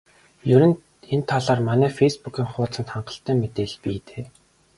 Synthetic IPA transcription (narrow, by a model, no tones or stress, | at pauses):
jɵɾɘ̆n | ent̪ʰːaɮaːrmanæːfejspukʲiːŋχʊːt͡sə̆nt̪χaɴɢə̥̆ɬt̪æːmet̪eːɮpiːt̪e̥ː